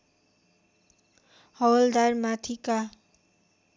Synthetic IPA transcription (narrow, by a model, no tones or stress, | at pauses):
hʌwʌld̪armat̪ʰika